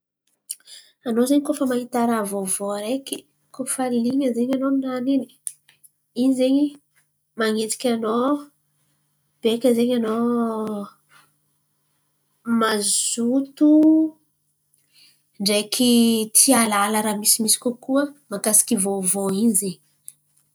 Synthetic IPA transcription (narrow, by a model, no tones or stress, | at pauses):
anozeɲikofəmaɦit̪aɾavovoaɾeki̥ | kofalliŋəzeɲanonanini̥ | inizeɲi | maŋet̪i̥kʲano | b̥ekʲəzeɲano | mazut̪u | ɳɖ͡ʐekʰʲit̪ʰialalaɾamisimisi̥kokuəmakasi̥kʲivovoinizeɲi̥